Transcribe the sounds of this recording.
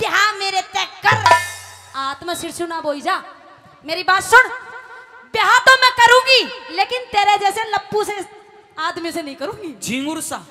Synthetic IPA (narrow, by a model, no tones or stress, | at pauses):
t̪eɦãmeːɾet̪ɛːkːəɾ | aːt̪maʃɪɾsunaːbʱoːid͡ʒaː | meːɾibaːt̪sʊɽ | beɦãt̪omɛ̃kɐɾũːɡileːkɪnt̪eːɾed͡ʒɛːselɐpːuse | aːd̪misenɐɦĩkɐɾũːɡid͡ʒĩːŋɡʊɾsaː